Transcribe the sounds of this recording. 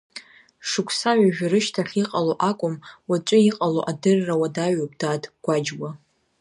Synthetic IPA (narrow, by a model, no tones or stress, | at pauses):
ʂɨkʷʰsaɥaʒᶣaɾɨʃtʰaχʲiqʼaloʔakʷʼʊmwat͡ʃʷʼʊiqʼaloʔadɨrːawadaɥopʼd̥aːdʰɡ̥ʷad͡ʒwa